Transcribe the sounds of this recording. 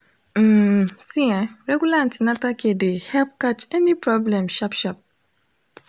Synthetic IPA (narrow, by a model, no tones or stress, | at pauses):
m̩siaɾeɡulãntnatakedehɛlp̚kat͡ʃenipɾɔblɛ̃mʃɔpʃɔp̚